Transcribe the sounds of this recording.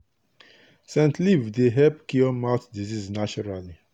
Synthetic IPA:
sɛ̃ntlivdeɦɛpkiɔmaʊtdiziznat͡ʃɔɹali

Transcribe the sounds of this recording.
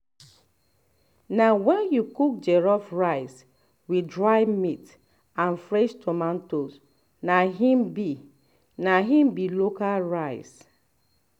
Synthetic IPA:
nawɛnjukuk̚d͡ʒɛɹɔfɹaɪs | widɹaɪmit | anfɹɛʃtʰɔmãntos | naɦĩmbi | naɦĩmbilokalɹaɪs

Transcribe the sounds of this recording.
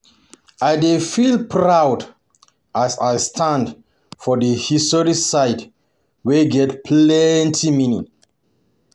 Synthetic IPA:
ajdefilpʰɹawd | ʔasajstʰãnd | fɔdəhistɔɹisaɪt | weɡɛtpʰlɛntʰiminḭ

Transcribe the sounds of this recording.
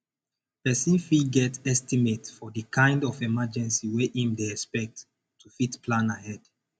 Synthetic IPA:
pɛsifiɡɛtɛstimetfɔdəkʰãɪ̃ndɔfɛmad͡ʒɛ̃nsiwɛʔĩmdeɛspɛk̚tːʰ | ufitplãnahɛd̥

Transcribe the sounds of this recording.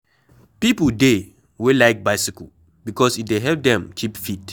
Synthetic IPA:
pipəde | welaɪk̚baɪsikə | bikɔsit̚deɦɛp̚dɛ̃mkʰipfit

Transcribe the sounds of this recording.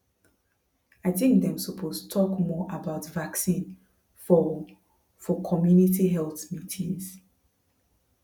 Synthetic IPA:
aɪθɪ̃ŋk̚d̪ɛ̃msɔpʰosttʰɔkmɔʔabaʊtvaksĩn | fɔ | fɔkʰɔmjunitiɦɛlˠθmitʰĩns

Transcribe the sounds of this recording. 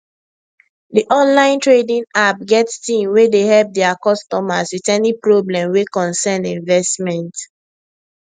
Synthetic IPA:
diʔɔ̃nlãɪ̃ntɹedĩnap̚ɡɛtstĩmwedehɛlp̚dɛakɔstɔmaswitɛnipɹoblɛ̃mwekɔ̃nsɛnĩɱvɛstmɛ̃nt

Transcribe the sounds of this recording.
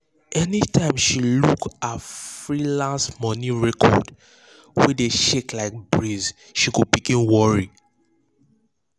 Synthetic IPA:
ʔɛnitʰãɪ̃mʃilukafɹilãnsmɔniɹɛkʰɔ̰d | wɛdeʃeklaɪk̚bɹiz | ʃikupikĩnwɔɹi

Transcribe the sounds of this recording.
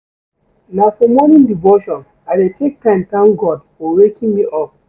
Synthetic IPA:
nafɔmɔnĩndivoʃɔ̃n | adetʰek̚tãmtãnɡɔdfɔwekĩnmiʔɔp̚

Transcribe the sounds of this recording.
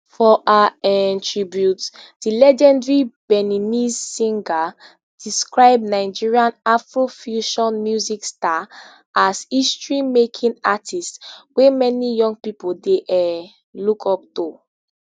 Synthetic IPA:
fɔʔaɛntʰɹibjutd̥ilɛd͡ʒɛ̃ndɹibɛninizsĩŋɡa | d̥iskɹaɪbnaɪd͡ʒiɹiãnafɹofjuʃɔ̃nmjuziksta | ʔazistɹĩmekʰĩnatʰistswemɛnijɔ̃ŋɡ̚pipoldeʔɛ | lukʰɔp̚tu

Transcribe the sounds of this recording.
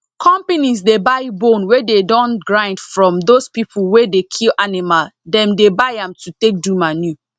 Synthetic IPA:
kʰɔ̃mpanisdebaɪbõnwededɔ̃nɡɹãɪ̃ndfɹɔ̃mdospipʰuwedekʰilʔanimaldɛ̃mdebaɪãmtʰutek̚dumanju

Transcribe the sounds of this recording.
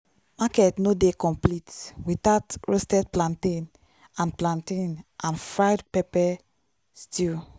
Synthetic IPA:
makɛtnodekɔ̃mplitwitatɹostɛd̚plãntĩn | ãnplãntĩnʔãnfɹaɪdpɛpɛ | sti

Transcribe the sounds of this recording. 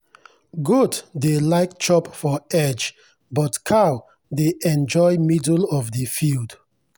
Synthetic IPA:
ɡuddelaɪk̚t͡ʃɔpfɔɛd͡ʒ | bɔtkʰaʊ | deʔɛ̃nd͡ʒɔɪmidəlɔvdəfild

